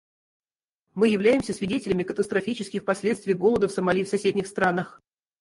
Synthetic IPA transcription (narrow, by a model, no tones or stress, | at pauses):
mɨjɪvlʲæjɪmsʲəsvʲɪdʲetʲɪlʲɪmʲɪkət̪əst̪ɾɐfʲit͡ɕɪskʲɪxpɐsʲlʲe̞t̪st̪vʲɪjɡo̞lˠəd̪əfsəmɐlʲifsɐsʲedʲnʲɪxst̪ɾanəx